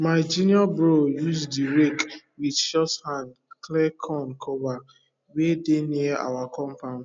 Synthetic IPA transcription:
maɪd͡ʒiniabɾojuzdiɾek | widʃɔshandklɛkʰɔnkʰɔba | wedenia̰wakɔ̃mpaʊn

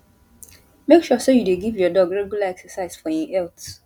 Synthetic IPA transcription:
mekʃusojudeɡivjɔdɔɡɹɛɡulaɛksɛsaɪz̥fɔjĩʔɛlt

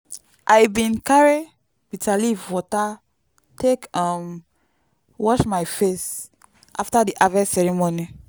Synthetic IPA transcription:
ʔajbĩnkaɹi | b̥itʰalivwɔta | tʰekɔ̃m | wɔʃmajfes | ʔaftadiʔavɛsɛɹimoni

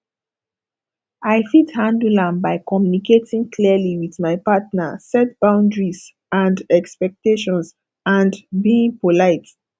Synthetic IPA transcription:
aɪfithãndulãmbaɪkɔmjuniketĩŋkʰliəliwiðmaɪpatnasɛt̚b̥ãʊ̃ndɹiz | ãndɛkspɛk̚teʃɔ̃ns | ãndbiĩŋpolaɪt

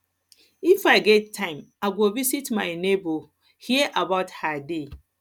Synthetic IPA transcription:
ifaɪɡɛt̚tʰːãɪ̃m | aɡovisitmãɪnebo | hiəʔabaʊthade

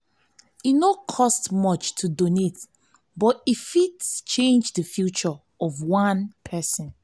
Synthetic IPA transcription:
inokʰɔstmʌt͡ʃtʰudonet | bɔtifitst͡ʃẽnd͡ʒðəfjut͡ʃɔ | ɔvwãnpʰɛsə̃n

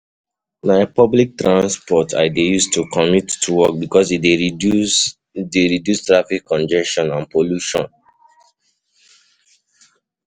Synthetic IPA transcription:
naɪpɔblik̚tɹãnspɔtʰa̰ɪdejustukʰɔmitːuwɔk̚bikɔside | deɹidjustɹafikʰːɔ̃nd͡ʒɛʃɔ̃nãnpoluʃɔ̰̃n

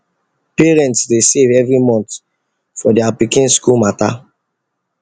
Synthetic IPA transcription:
piɹɛ̃ntsdesevɛvɹimɔ̃nt̪ | fɔdiapikĩnskulmata

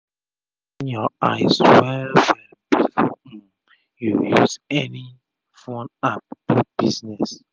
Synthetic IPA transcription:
injɔa̰ɪzwɛwɛ | bifo | jujuzɛni | fɔ̃nap̚tubiznɛs

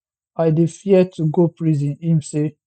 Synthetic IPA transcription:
aɪdefiɛtʰuɡopɹizĩnhĩmse

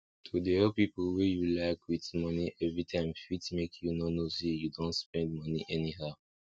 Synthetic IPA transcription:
tʰudeɛpipɔlwejulaɪkwitmʌniʔɛvɹitʰãɪ̃mfitmekʰjunonosijudõntspɛ̃ndmʌniʔɛniɦaʊ

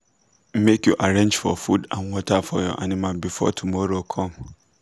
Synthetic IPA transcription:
m̩mekjuʔaɾẽɲd͡ʒfɔ̰fudãnwɔtʰafɔ̰jɔ̰ʔa̰nɪ̃mãbifɔ̰tʰumɔɾokʰɔ̃m

